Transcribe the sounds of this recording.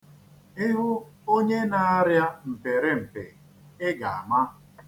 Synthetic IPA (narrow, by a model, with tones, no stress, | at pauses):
i˦ɦʊ˦o˦ɲe˦na˨a˦ɾja˦m̩˨pe˨ɾe˦m̩˨pḛ˨ | ɪ˦ɡa˨a˨ma˦